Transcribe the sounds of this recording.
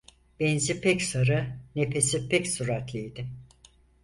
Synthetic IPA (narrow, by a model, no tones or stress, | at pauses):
b̥ɛnzipʰɛcsaɾɯne̞pesipʰɛcsuɾat̪lʲijd̪ɪ